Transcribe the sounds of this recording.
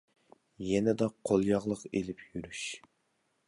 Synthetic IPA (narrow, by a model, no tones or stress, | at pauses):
jɛnɪd̪ɑqʰolˠjɑʁlˠəqelɪpʰjyɾyʃ